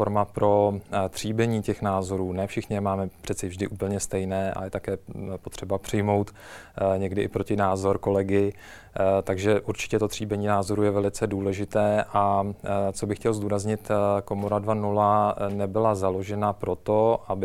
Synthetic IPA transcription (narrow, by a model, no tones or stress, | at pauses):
oɾmapɾo̞t̪r̝̥iːbɛɲiːcɛxnaːzo̞ɾuːnɛːfʃɪxɲɪmaːmɛpr̥ɛt̪t͡sɛvʒdɪʔuːpl̩ɲɛst̪ɛjnɛːʔa̰jɛt̪akɛːpot̪r̥ɛbapr̝̥ɪjmo̞wt̪ | ɲɛɡdɪʔɪpɾo̞cɪnaːzo̞ɾko̞lɛɡɪ | t̪aɡʒɛʔuɾt͡ʃɪ̥cɛt̪o̞t̪r̝̥iːbɛɲiːnaːzo̞ɾujɛvɛlɪt͡sɛduːlɛʒɪt̪ɛːʔat͡so̞bɪxcɛlzd̪uːɾazɲɪt̪ko̞moɾadvanulanɛbɪlazalo̞ʒɛnapɾo̞t̪o̞ʔabɪ